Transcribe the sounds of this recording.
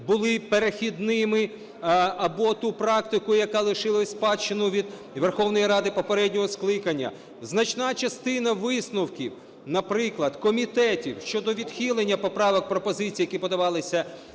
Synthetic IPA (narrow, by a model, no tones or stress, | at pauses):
bʊlˠɪpeɾexʲid̪nɪmɪ | ɐbɔt̪upɾɑkt̪ɪkʊjɐkɑlˠɪʃɪlˠɐsʲspɑt͡ʃːɪnʊʋʲid̪ | ʋerxɔwnɔjiɾɑd̪ɪpɔpeɾɛdʲnʲɔɦɔsklˠɪkɐnʲːɐ̰ | znɐt͡ʃnɑt͡ʃɐst̪ɪnɐʋɪsnʊwkʲḭw | nɐpɾɪklˠɐd̪kɔmʲit̪ɛtʲiwʃt͡ʃɔd̪ɔʋʲid̪xʲilˠenʲːɐpɔpɾɑʋɔk̚pɾɔpɔzɪt͡sʲijɐkipɔd̪ɐʋɑlˠɪsʲɐ